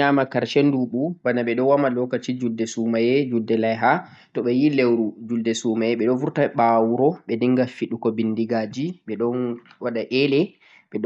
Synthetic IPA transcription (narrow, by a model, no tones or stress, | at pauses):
amakaɾʃenduɓubanaɓɛɗɔwamalɔkat͡ʃid͡ʒuldːɛsumajɛd͡ʒuldɛlajɦa | tɔɓɛjilewɾud͡ʒuldɛsumajɛɓɛɗɔnfuɾtaɓawuɾɔɓɛdiŋɡafiɗukɔbindiɡad͡ʒiɓɛɗɔnwaɗaʔɛlɛ | ɓɛɗ